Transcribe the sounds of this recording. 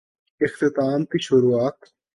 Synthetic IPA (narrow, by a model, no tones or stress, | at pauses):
ɪxt̪ɪt̪aːmt̪iʃʊɾuaːt̪